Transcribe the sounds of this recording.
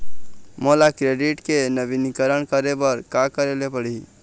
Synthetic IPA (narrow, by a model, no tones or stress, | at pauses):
molakɾeɖiʈkenəbinikəɾəɳkəɾebəɾkakəɾelepəɽi